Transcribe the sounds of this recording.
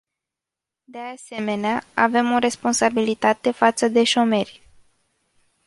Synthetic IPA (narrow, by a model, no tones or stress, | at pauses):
d̪e̞ase̞me̞neaave̞mo̞ɾe̞spo̞nsabilit̪at̪e̞fat̪səd̪e̞ʃo̞me̞rʲ